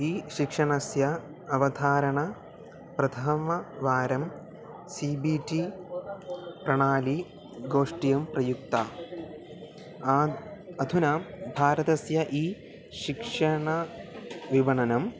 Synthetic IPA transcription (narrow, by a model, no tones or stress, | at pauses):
iːʃikʂɐɳɐsjɐː | ʋɐd̪ʱaːɾɐɳɐ | pɾɐd̪ʰʱɐmɐʋaːɾɐm | siːbiːʈi | pɾɐɳaːli | ɡoːʂʈijɐmpɾɐjuk̚t̪aː | ɐd̪ʱunɐbʱaːɾɐt̪ɐsjɐʔiː | ʃikʂɐɳɐ | ʋiʋɐɳɐnɐm